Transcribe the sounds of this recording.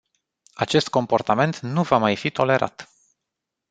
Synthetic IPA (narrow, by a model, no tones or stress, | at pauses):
at͡ʃe̞st̪̚ko̞mpo̞rt̪ame̞nt̪nuvamajfit̪ʰo̞le̞ɾʔa̰t̪